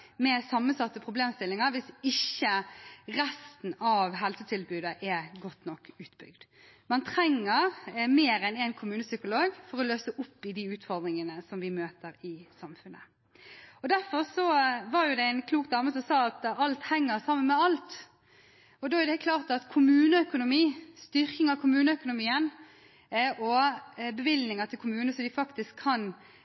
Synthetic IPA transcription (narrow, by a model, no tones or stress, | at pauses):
mɛsɑmːənsɑt̪ːəpʰɾʊbleːmst̪ɪlːɪŋəɾʋɪsɪçːəɾɛst̪n̩ɑʋɦɛlsət̪ʰɪlbʉːd̪əʔɛɡɔt̪ːnɔkːʉːt̪bʏ̰ɡd̪ | mɑnt̪ʰɾɛŋːəɾmeːɾɛnɛɪnkʰʊmʉːnəsʏkʊloːɡfɔɾɔløːsəʔʊpːɪd̪iʉːt̪fɔɾd̪ɾɪŋənəsɔmʋɪmøːt̪əɾɪsɑmfʉnə | ɔd̪æɾfɔɾsɔʋɑɾjʊd̪ɛæɪnkʰluːk̚d̪ɑːməsɔmsɑːɑt̪ɑlt̪hɛŋːəɾsɑmːənmɛɑlt̪ | ɔd̪oːæʁd̪ɛkʰlɑːʁt̪ɑt̪kʰʊmʉːnəœkʊnʊmiːst̪ʏɾkɪŋɑʋkʰʊmʉːnəœkʊnʊmiːən | ʔɔbɛʋɪlnɪŋət̪ʰɪlkʰʊmʉːnəsɔd̪ɪfɑkt̪ɪskʰːɑn